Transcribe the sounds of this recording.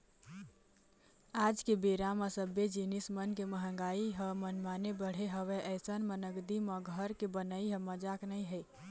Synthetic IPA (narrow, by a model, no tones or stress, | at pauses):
ad͡ʒkebeɾamasəbed͡ʒinismənkeməɦə̃ŋɡaiɦəmənmanebəɽ̤eɦəʋeʔəɪsənmənəɡd̪iməɡʱəɾkebənəiɦəməd͡ʒaknəjɦəj